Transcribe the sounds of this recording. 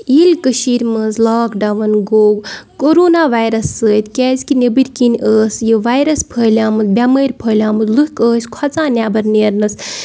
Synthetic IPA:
ilkəʃiːɾʲmɐnzlaːkɖɐʋɐnɡoːɡkoːɾoːnaːʋajɾɐsːəːt̪ʲkʲɛːzʲkinʲɐbiɾʲkinʲʔəːsjəʋajɾɐspʰəːlʲaːmɨzbʲaməːɾʲpʰəːlʲaːmɨzluɦkəːsʲkʰɐt͡sãːnʲabɐɾneːɾnɐs

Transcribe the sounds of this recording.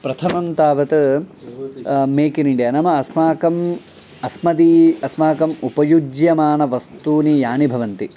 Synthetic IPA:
pɾɐt̪ʰɐmɐmt̪aːʋɐt̪ | meːkiniɳɖjaːnɐmɐɐsmaːkɐm | ɐsmɐd̪iɐsmaːkɐmupɐjud͡ʒjɐmaːnɐʋɐst̪uːnijaːnibʱɐʋɐnt̪i

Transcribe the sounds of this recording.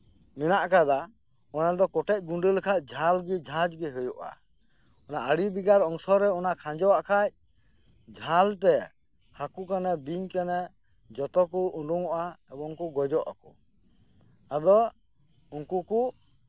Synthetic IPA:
minaʔkad̪a | ɔnad̪ɔkɔʈɛc̚ˀɡuɳɖəlkʰac̚ˀd͡ʒʱalɡid͡ʒʱãd͡ʒɡiɦujuʔa̰ | ɔnaʔəɽibiɡaɾɔŋsɔɾɛɔnaʔkʰãd͡ʒɔwaʔkʰac̚ | d͡ʒʱalt̪ɛ | hakukanɛbiɲkanɛ | d͡ʒɔt̪ɔkuuɖuŋɔʔaɛbɔŋkuɡɔd͡ʒɔʔa̰kɔ | ad̪ɔ | unkuku

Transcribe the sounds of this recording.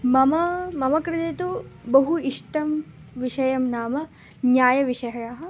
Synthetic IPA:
mɐmɐmɐmɐkɾɪt̪eːt̪ubɐɦuiʂʈɐm | ʋiʃɐjɐmnaːmɐ | njaːjɐʋiʂɐɦɐjaːɦɐ̆

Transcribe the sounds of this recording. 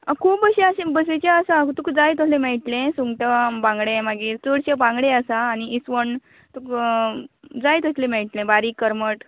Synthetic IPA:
akʰuːpəɕẽaɕẽbəs̬et͡ɕaəsãt̪ukd͡zajt̪əslẽmeɭʈlẽsuŋɡʈabãŋɡɽẽmaɡiːɾt͡səɽɕabãŋɡɽeəsaːniit͡sʋəɳ | t̪uk | d͡zajt̪əslẽmɛɭʈlẽbaɾiːkːəɾməʈ

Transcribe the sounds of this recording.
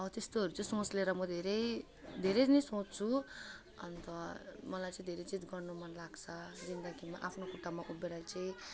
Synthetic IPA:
ʌt̪est̪oɦʌɾut͡sʌĩsõt͡sleɾʌmʌd̪ʱeɾʌj | d̪ʱeɾet͡snesõt͡st͡sʰu | ʌnt̪ʌmʌlajt͡saĩd̪ʱeɾʌd͡zit̪ɡʌrnomʌnlaɡt͡sʰʌd͡zind̪ʌɡimaʔapʰnokuʈːamaʔubeɾajt͡saĩ

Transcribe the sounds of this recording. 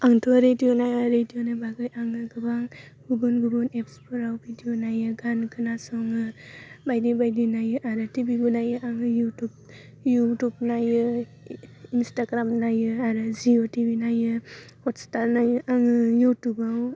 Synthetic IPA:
aŋtʰɔɾedijonajaɾedijonajbaɡɯjʔaŋɯɡɯbaŋ | ɡubunɡubɔnepspɯɾawbʱidijonajɯɡankʰɯnasɔŋɯbajdibajdinajɯʔaɾɯtibiɡunajɯʔaŋɯjutub̚ | jutub̚najɯ | instaɡɾamnajɯaɾɯziotibinajɯhɔtstaɾnajɯʔaŋɯjutubaŋ

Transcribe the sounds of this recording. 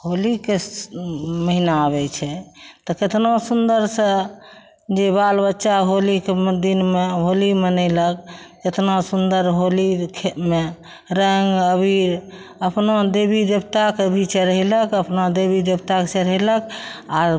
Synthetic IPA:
ɦolike | məɦinaəbɛt͡ʃʰɛt̪ɔket̪nosund̪əɾsə̃ | d͡ʒebalbətːʃaɦolikemd̪inmeɦolimenələk̚ː | et̪nasund̪əɾɦolikʰeme | ɾəŋɡəbʱiɾ | əpnad̪ebid̪ebt̪akebʱit͡ʃeɾəɦɛləkəpnad̪ebid̪ebt̪aksəɾəɦilək̚a

